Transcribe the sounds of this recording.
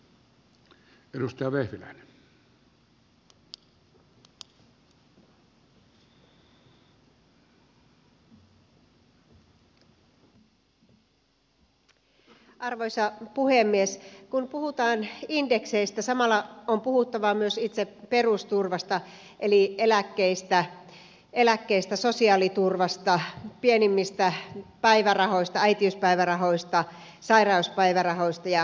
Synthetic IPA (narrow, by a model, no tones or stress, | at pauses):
edust̪ɑjɑʋehʋilæ̰ˑine | ʔɑrʋojsɑpuhemːieskunpuhut̪ɑːninde̞kse̞ist̪æsɑmɑlːɑompuhut̪ːɑʋɑmyøsit̪sepe̞rust̪urʋɑst̪ɑ | ʔelielækːeist̪æ | e̞lækːe̞ist̪æso̞siɑːlit̪urʋɑst̪ɑpienimːist̪æpæjʋærɑho̞ist̪ɑæjt̪iuspæjʋærɑɦo̞jst̪ɑ | sɑjrɑˑuspæjʋærɑɦo̞jst̪ɑjɑ